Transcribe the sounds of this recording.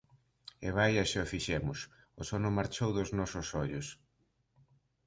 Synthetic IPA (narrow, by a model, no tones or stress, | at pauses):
ḛβajaʃaofiʃɛmʊs | ʊsɔnʊmaɾt͡ʃowðʊznɔsʊsɔʎʊs